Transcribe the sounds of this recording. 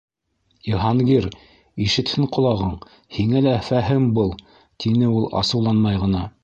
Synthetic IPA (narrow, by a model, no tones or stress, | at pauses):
iɦɑŋɡiɾ | iʃɘ̆t̪hɘɴqŏlˠɑʁɤɴ | hiŋælæfæɦɘmbɤlˠ | t̪ʰinɘulˠɑ̰sɤ̆wlˠɑnmɑjʁɤ̆nɑ